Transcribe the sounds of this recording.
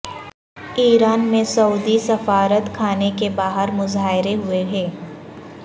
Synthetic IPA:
iːɾaːnmẽsɐuːd̪isɐfaːɾət̪kʰaːnekebaːɦəɾmʊzaːɦɪɾeɦʊeɦɛː

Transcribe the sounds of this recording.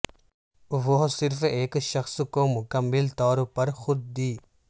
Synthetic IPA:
ʋoɦsɪɾfeːkʃɐxskomʊkəmːɪlt̪ɔːɾpɐɾxʊd̪̚ːiː

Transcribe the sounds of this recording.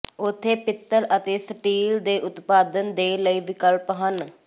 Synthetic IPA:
ʊt̪ʰːeːpɪt̪ːəɾət̪eːsəʈiːld̪eːʔʊt̪paːd̪ənd̪eːləiːʋɪkəlpɦən

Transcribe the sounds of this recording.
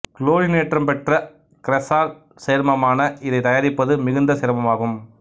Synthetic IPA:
kloːɾɪneːʈrɐmpɛʈrɐ | kɪɾɛsaːl | seːɾmɐmaːnɐɪðɐɪt̪ɐjaːɾɪpːɐðɯmɪɣɯnd̪ɐsɛɾmɐmaːɣɯm

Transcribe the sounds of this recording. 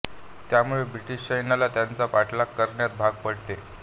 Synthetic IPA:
t̪jamuɭebɾiʈiɕt͡ɕəjnalat̪jant͡sapaʈlakːəɾɳjat̪̚bʱaɡ̚pəɽt̪e

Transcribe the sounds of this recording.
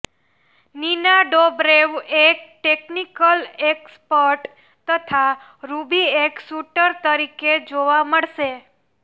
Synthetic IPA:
ninaɖobɾeʋek̚ʈeknikəlekspəɾʈ | t̪ət̪ʰa | ɾubieksuʈəɾt̪əɾiked͡ʒoʋaməɭʃe

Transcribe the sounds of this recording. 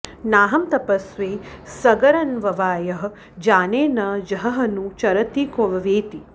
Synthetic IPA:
naːɦɐmt̪ɐpɐsʋeːsɐɡɐɾɐnʋɐʋaːjɐɦ | d͡ʒaːneːnɐd͡ʒɐɦɐɦɐnut͡ʃɐɾɐt̪ikoʋɐʋeːt̪i

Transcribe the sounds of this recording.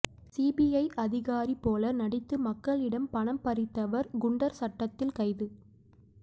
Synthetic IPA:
siːbijɐɪʔɐðɪɣaːɾipːoːlɐnɐɽɪt̪ːɯmɐkːɐɭɪɽɐmpɐɳɐmpɐɾɪt̪ːɐʋɐɾɡʊɳɖɐɾsɐʈːɐt̪ːɪlkɐɪðɯ

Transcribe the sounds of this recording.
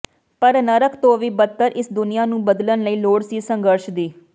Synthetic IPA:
pəɾnəɾəkʰt̪õːʋiːbət̪ːəɾʔɪsd̪ʊnɪjaːnũːbəd̪lənləiːloːɽsiːsəŋɡəɾʃd̪iː

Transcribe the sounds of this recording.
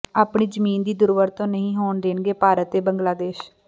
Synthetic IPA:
aːpɳiːd͡ʒəmiːnd̪iːd̪ʊɾʋəɾt̪õːnəɦĩːɦoːɳd̪eːnɡeːpaːɾət̪eːbəŋɡlaːd̪eːʃ

